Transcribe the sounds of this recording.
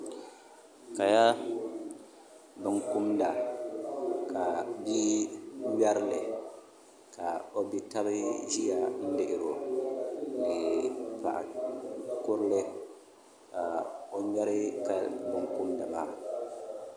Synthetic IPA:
ka˨ja˦ | bɨ˨ŋku˦mda˨ | ka˨bi˦bɛ˦ɾɪ˦lɪ˨ | ka˨o˦bi˦ta˦bɨ˦ʒi˦ja˨n̩˦dɪ˨ʔɪ˨ɾo˨ | nɪ˨pa̰˨ʔa̰˨ | kʊ˦ɾɪ˦lɪ˦ | ka˨o˦ɲɛ˦ɾɪ˦ka˨bɨ˨ŋkʊ˦mda˨ma̰ː˦˨

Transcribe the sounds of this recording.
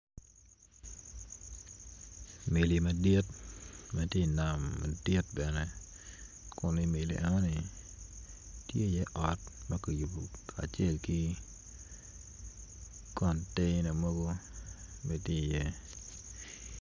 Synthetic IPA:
me˨li˨mɐ˨di˦tmɐ˦tje˦˨na˨mːɐ̰˨dɪ˦t̚bɛ˨nɛ˦ | kʊ˨nɪ˦me˨lḭ˨ʔɛ˦nɔ˦ni˨ | tje˦˨jɛ˦ʔɔ˨t̚mɐ˦kɐ˨ju˨bo˨kʰa̰˨t͡ʃe˦˨lki˦ | kɔ˨nte˦nɐ˨mo˦ɡo˦ | me˦tje˦˨jɛ˦

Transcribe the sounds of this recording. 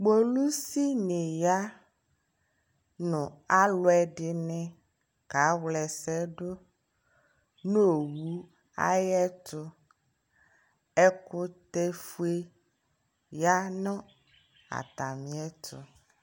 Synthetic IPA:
ɡ͡bo˦lu˦si˦nẽ˨ja˦ | nʊ̃˨a˦lʊ˦ɛ˨ɖɪ˨nɛ̃˨ | ka˨˦wlɛ˨sɛ˦ɖo˦ | no˦˨wu˨˦ | a̰˦jɛ˦t̪ʊ˦ | ɛ˦kʊ˦t̪e˦fu˦e˦ | ja˦nɔ̃˦ | a̰˨t̪a˨mĩ˨˦ɛ˦t̪ʰʊ̰˨

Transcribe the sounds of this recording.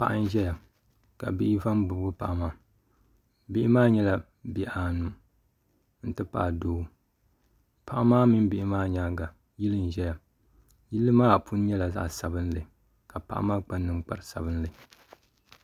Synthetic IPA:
pa̰˦˨ʔa˦n˦ʒɛ˦ja˨ | ka̰˨bi˦ʔi˦va˦mbu˨bɡɨ˦pa˨ʔmaː˨ | bi˦ʔɪ˦maː˦ɲɛ˦la˨ | bɛ˨˦ʔa˨nu˨ | n̩˨tɨ˦pa̰˦˨doː˦ | pa˦ʔa˦maː˦mi˦m˦bi˦ʔɪ˦maː˦ɲaː˦ɡa˨ | ji˦lɨ˦n˨ʒɛ˦ja˨ | ji˦lːɨ˦maː˦˨pu˦n˦ɲɛ˦la˨za̰˦ʔsa˨bɨ˦n˦lɨ˨ | ka˨pa̰˨ʔa̰˦maː˦k͡pa˦nːɨ˦mk͡pa̰˨ɾɨ˨sa̰˨bɨ˦n˦lɨ˨

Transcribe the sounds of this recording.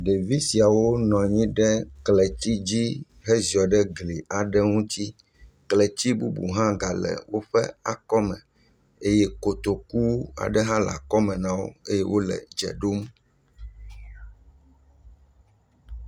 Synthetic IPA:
ɖe˨vi˦si˨a˨wo˦nɔ̃˨ɲĩ˦ɖɛ˦klɛ˨ti˦d͡ʑi˦ | ɦe˦zi˨ɔ˨ɖɛ˦ɡli˨ʔa˨ɖɛ˦ŋũ˦t̪i˦ | klɛ˨t͡ɕi˦bu˦bṵ˨ɦã˦ɡa˨lɛ̰˨wo˦ɸɛ̰˦a̰˨kɔ˦mɛ̃˨ | e˦je˦ko˨t̪o˨ku˦a̰˨ɖɛ˦ɦã˦la̰˨kɔ˦mɛ̃˨nã˦wo̰˦e˦je˦wo˦lɛ̰˨d͡ʒɛ̰˨ɖo˦m

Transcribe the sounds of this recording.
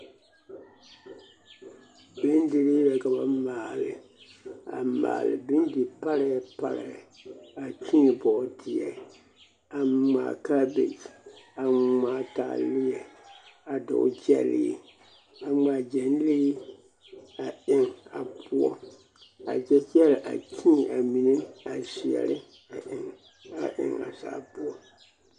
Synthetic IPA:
bɨ˦n˦dɪ˨li˦lɛ˨ka˨ba˦maː˨lɨ˨ | a̰˨ma̰ː˨lɨ̰˨bɨ˦ndi˨pa˦ɾa˨jpa̰˦ɾa̰˨ | a˨t͡ʃi˦˨bɔ˨di˨ɛ˨ | a˨ŋ͡ma̰˨ka˦bḛ˨d͡ʒa˨ŋ͡ma˨ta̰ː˨lɪ˦ɛ˨a˨dʊ̰˨˦d͡ʒɛ̰˨lɪ̰˦ | a˨ŋ͡ma˨d͡ʒɛ˨n˦le˦ | a˨ɪ˨ŋa˨pʰʊ˦ɔ˦ | a̰˨d͡ʒɛ˦t͡ʃɛ˦lɪ˨ʔa̰˨kʰĩ˦˨ʔa˨mi˨ne˦a˨si˨ɛ̰˨lɪ˦ | a˨ʔɪ˨ŋ | a̰˨ʔɪ̰˨ŋa̰˨sa̰ː˨˦pʊ˦ɔ˦

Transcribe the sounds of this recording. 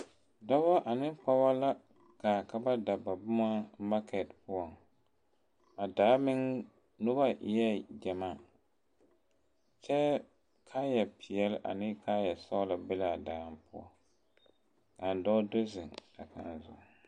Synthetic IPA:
dɔ˦ba˦ʔa˨nɪ˦pa˦ba˦la˦ | kaː˨ka˦ba˦da˨ba˨bʊ˦ma˦ma˦kʰɛ˨tpʊ˦ɔ˨ŋ | a˨daː˨˦mɪ˦ŋ | nʊ˦ba˦jɛ˦d͡ʒɛ˨maː˦˨ | t͡ʃɛ˦ | kʰa˦jɛ˨pʰɪ˨ɛ˦lʔa̰˨nɪ˦ka˦jɛ˨sɔ˦la˨bɪ˦laː˨daː˨mpʊ̰˦ɔ̰˦˨ | ka˨n˨dɔ˦do˦zɪ˨ŋa̰˨ka̰˨nzʊ̰˨

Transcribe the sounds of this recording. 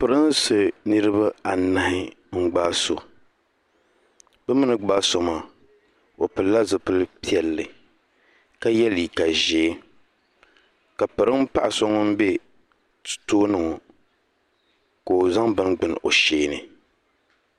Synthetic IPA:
pɨ˨ɾɨ˦n˦sɨ˨nɨ˦ɾɨ˦ba˦a˨na˦hɪ˦ŋ͡m̩˦ɡ͡baː˦so˨ | bɛ˦mɨ˦nɨ˨ɡ͡baː˦so˨ma˨ | o˨pɨ˨lla˦zɨ˨pɨ˦lpi˦ɛ˨lːɨ˨ | ka˦jɛ˦li˨ka˨ʒeː˨˦ | ka˨pɨ˨ɾɨ˦m˦pa˦ʔa˨so˦ŋɔ˦m̩˦be˦ | tɨ̥˨toː˦nɨ˨ŋɔ˨ | ko˨za˦ŋbɨ˦nɡ͡bɨ˨n˨o̰˨ʃeː˦nɨ˨

